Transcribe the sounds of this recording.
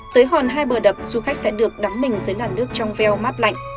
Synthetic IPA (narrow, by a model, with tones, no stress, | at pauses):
t̪əː˨˦jɦɔ˨˩nɦaː˧jɓəː˨˩ɗə˨˩p̚zu˧˩xa˦˥k̟̚sɛ̰˧˥ɗɨ˨˩ək̚ɗa˨˦mmï˨˩ŋ̟zəː˨˦jlaː˨˩nːɨ˦˥ək̚t͡ɕɔ˧wŋ͡mvɛ˧wma˦˥t̚la̰˧˨jŋ̟